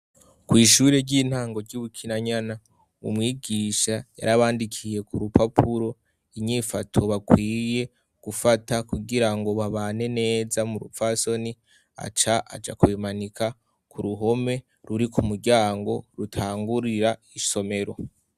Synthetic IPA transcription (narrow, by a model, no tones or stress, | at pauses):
kwiːʃuːɾe̞ɾɟiːn̥haːŋɡo̞ɾɟuβukʰinaɲana | ṵmŋiːɡiːʃaja̰ɾaβaːndikʰije̞kuɾupʰapʰuɾo̞ | iɲifatʰo̞βakwiːje̞ | ɡ̥ufatakuɡiɾaŋɡo̞βaβaːne̞ne̞ːzamuɾṵpfaso̞ni | a̰t͡ʃaʔa̰d͡ʒa̰kuβimanika | kʰuɾuɦo̞me̞ | ɾuɾikʰumuɾɟaːŋɡo̞ɾutʰaːŋɡuɾiɾaiso̞me̞ɾo̞